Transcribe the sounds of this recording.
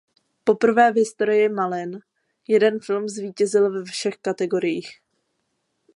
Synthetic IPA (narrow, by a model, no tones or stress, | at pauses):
po̞pr̩vɛːvɦɪst̪o̞ɾɪjɪmalɪn | jɛdɛnfɪlmzviːcɛzɪlvɛfʃɛxkat̪ɛɡo̞ɾɪjiːx